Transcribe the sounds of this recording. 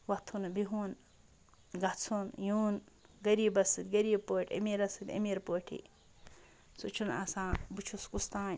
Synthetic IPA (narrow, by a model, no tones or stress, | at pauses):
wɐt̪ʰːunbiɦun | ɡɐt͡sʰunjuːn | ɡɐɾiːbɐsɨt̪ʲɡɐɾiːbpoːʈʰḛmiɾɐsɨt̪ʲɐ̰miɾpoːʈʰḭ | sut͡ʃʰunɐ̰sãːbut͡ʃʰuskust̪ãːn